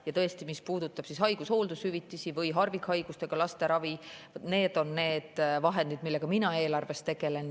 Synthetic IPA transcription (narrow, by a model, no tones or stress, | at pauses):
jɑt̪ɤ̞est̪imispuːd̪̥ut̪ːˑɑb̥sisɦɑjɡ̥usho̞ːld̪ushyvit̪ːˑisivɤjɦɑrvikhɑjɡ̥ust̪e̞ɡ̥ɑlɑst̪e̞ɾɑvi | ne̞ːd̪̥o̞nne̞ːd̪̥vɑɦe̞nd̪id̪̥̚milːe̞ɡ̥ɑminɑe̞ːlɑrve̞st̪ːe̞ɡ̥e̞le̞n